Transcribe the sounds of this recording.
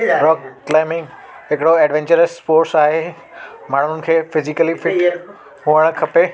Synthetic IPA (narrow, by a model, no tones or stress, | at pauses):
ɾɔːkkːlaːɪmɪ̃ŋɡ | ɦɪkɪɽoɛːɖʋẽːɲt͡ɕəɾəsspoːɾʈsaːɦe | maːɳ̤ʊʊnɪ̆kʰeːfɪzɪkəlifʰɪʈ | ɦuəɽ̃kʰɐpe